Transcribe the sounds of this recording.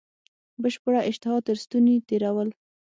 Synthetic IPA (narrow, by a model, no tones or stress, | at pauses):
bəʃpəɽaʔɪʃt̪ɪhɑt̪ːəɾst̪unit̪eɾawəl